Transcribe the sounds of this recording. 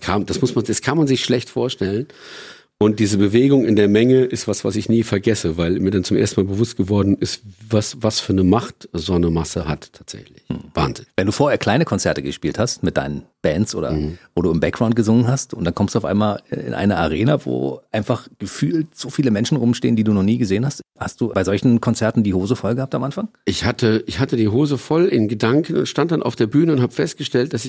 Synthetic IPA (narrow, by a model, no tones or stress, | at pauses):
kʰaːmd̥asmʊsmand̥askʰanmanzɪçʃlɛçtfoːɐʃtɛlən | ʔʊnt̚d̥iːzəbəveːɡʊŋɪndeːɐmɛŋəʔɪstv̥asv̥a̰sɪçniːfɛɐɡɛsəvaɪlmiːɐdant͡sʊmʔeːɐstn̩maːlbəvʊstɡ̥əvɔɐdn̩ɪstvasvasfyːɐnəmaχtzɔnəmasəhattʰːaːtz̥ɛ̰çlɪç̩va̰ːnzɪnvɛnduːfoːɐheːɐkʰl̥aɪnəkʰɔnt͡sɛɐtəɡəʃpiːlthastmɪt̚d̥a̰ɪnənb̥ɛːnsʔo̰ːdɐ̰voːduːɪmbɛkɡʁaʊnt̚ɡ̥əzʊŋənɦastʔʊntd̥ankʰɔmsd̥uaʊʔa̰ɪnmaːlɪ̰nʔa̰ɪnəaʁ̞eːnavo̰ːʔaɪnfaχɡ̥əfyːltz̥oːfiːləmɛnʃn̩ʁʊmʃtḛːəndiːduːnɔχniːɡəzeːənhasthastd̥uːbaɪzɔlçn̩kʰɔnt͡sɛɐtn̩diːhoːzəfɔlɡəhap̚tamʔanfaŋʔɪçhatʰəʔɪçhatədiːɦoːzəfɔlɪnɡədaŋkən̩ʊ̰ntʃtant̚d̥anʔa̰ʊfd̥eːɐbyːnəʊnthabəfɛst̚ɡ̥əʃtɛlt̚d̥asɪç